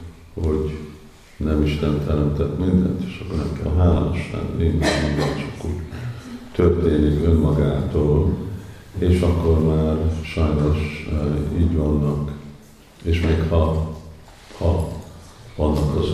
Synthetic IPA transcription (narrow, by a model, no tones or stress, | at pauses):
hoɟ | nɛmiʃt̪ɛnt̪ʰɛɾɛmt̪ɛt̪mind̪ɛ̰nt̪e̥ːʃɒ̥kːornɛmkɛ̰lɦaːla̰ːnoʃlɛ̰nːiɛmind̪ɛnt͡ʃo̥kːo | t̪ørt̪eːnikø̞mːɒɡaːt̪oːl | eːʃɒkːo̞rmaːrʃɒjno̞ʃ | iːɟʋɒnːɒk | eːʃmeːkhɒ | hɒ | vɒnːɒkɒz